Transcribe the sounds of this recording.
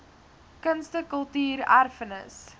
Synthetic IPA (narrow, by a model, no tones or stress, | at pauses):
kənstəkəlˠtyːɾærfənə̰s